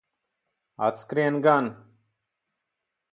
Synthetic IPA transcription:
a̰tt͡skɾenɡan

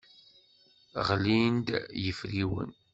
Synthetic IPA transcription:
ʁlind̪jəfɾiwə̰n

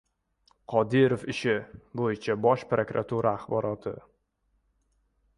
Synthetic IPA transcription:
qʰɒd̪ɪɾofɪʃɪbojɪt͡ʃʰabɒʃpɾokɾa̰t̪ʰuɾaːχbɒɾɒt̪ʰɪ

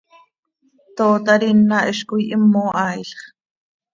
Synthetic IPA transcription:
t̪oːt̪ɑɾinːɑʔiʃkujʔimːoːʔɑːjɬχ

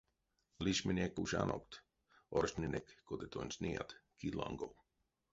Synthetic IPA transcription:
liʃminʲekuʃa̰nʔo̰kt̪ | orʃnʲinekːod̪et̪onʲsnia̰t̪kid̪lˠa̰ŋɡow

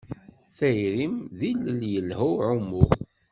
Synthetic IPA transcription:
θæjɾimðiləljəlhæʕʊmːʊ

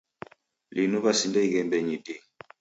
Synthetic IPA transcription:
linuβasindɛikɛmbɛɲidi

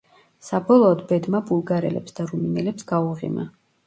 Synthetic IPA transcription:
sabɔlˠɔːd̪bɛd̪mabulˠɡaɾɛ̰lɛ̰psd̪aɾuminɛlɛpsɡ̥auʁḭma̰

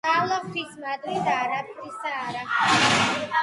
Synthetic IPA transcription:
avlˠaχt̪ʰismad̪wid̪aːɾapʰɾisd̪aːɾa

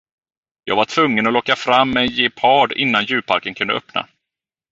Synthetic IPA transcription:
jɑːɡvaʈʰv̥ɵŋːənɔlɔkːafɾamːɛjeːpʰɑːɖɪnːanjʉ̟ːpʰa̰ɾkənkʰɵnd̪ə̰œpna̰

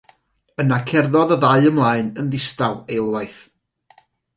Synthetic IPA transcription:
ənakʰɛrðɔðəðaɨəmlˠaːɨnənðɪstawejlˠwajθ

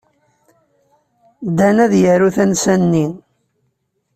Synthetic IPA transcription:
d̪ænæðjəɾuθænsænːin

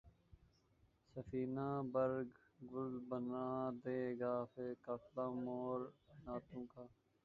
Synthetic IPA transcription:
səfiːnãːbəɾɡ | ɡʊlbənãːd̪eːɡaːfeːkaːflaːmoːɾnaːt̪õːkaː

